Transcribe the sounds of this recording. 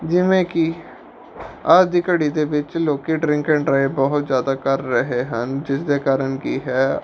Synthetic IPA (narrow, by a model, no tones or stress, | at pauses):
d͡ʒɪʋẽki | aːd͡ʒd̪iːkəɽid̪eːʋɪt͡ʃloːkiɖɾɪ̃ŋkẽɳɖɾaːɪbɔɦʊt̪zjaːd̪aːkəɾːəɦeɦənd͡ʒɪsd̪eːkaːɾənkiːɦɛː